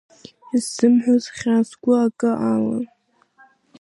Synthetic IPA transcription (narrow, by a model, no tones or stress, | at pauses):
iz̥ɨmħʷozχʲazɡʷʊakʼɨʔala̰